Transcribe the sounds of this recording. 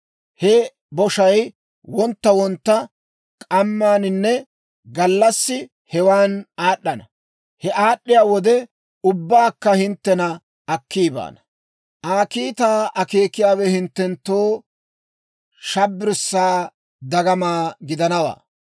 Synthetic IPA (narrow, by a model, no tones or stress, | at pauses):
hɛ | bɔʃɐj | wɔnt̪ːɐwɔnt̪ːɐ | kʼɐmːaːnɪnːɛ | ɡɐlːɐsːɪ | hɛwaːnaːɗːɐnɐ | hɛʔaːɗːɪjaːwɔd̪ɛ | ʊbːaːkːɐhɪnt̪ːɛnɐ | ɐkʰːiːba̰ːnɐ | ʔaːkiːt̪aːɐkeːkːɪjaːwɛhɪnt̪ːɛnt̪ːoː | ʃɐbːɪɾsːaː | d̪ɐɡɐmaːɡɪd̪ɐnɐwa̰ː